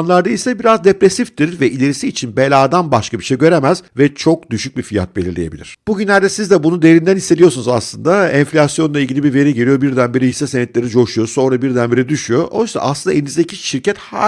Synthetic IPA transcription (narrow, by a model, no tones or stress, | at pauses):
nlˠaɾd̪ailʲsɛbiɾazd̪epɾesifd̪iɾvɛʔilʲe̞ɾisiːt͡ʃʰinbelʲaːd̪anbaʃkʰabiʃejɟø̞ɾemæzvɛt͡ʃʰo̞k̚d̪yʃyc̚bifija̰t̪̚belʲiɾlʲeje̞bilʲiɾ̥b̥uɟynlʲæɾd̪ɛsizd̪ɛbunud̪ejeɾind̪ænisːeijo̞sunuza̰slˠɯnd̪aɛnflʲasjo̞nlˠaiɟiibiɾve̞ɾiɟelijo̞biɾd̪ænbeɾiisːɛsenɛt̪lʲe̞ɾid͡ʒo̞ʃujo̞so̞nɾabiɾd̪ænbeɾid̪yʃyjoʔo̰jsa̰ʔa̰slɯnd̪aenizd̪ecʰiʃiɾcʰɛt̪ha̰